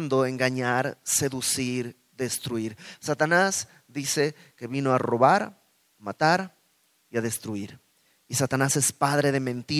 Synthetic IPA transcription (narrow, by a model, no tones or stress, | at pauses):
nd̪oeŋɡaɲaɾse̞ðusiɾ | d̪e̞st̪ɾuiɾsat̪anas | d̪ise̞ | ke̞βino̞aro̞βaɾ | mat̪aɾ | iaðe̞st̪ɾuiɾ | isat̪anase̞spaðɾe̞ðe̞mẽnt̪i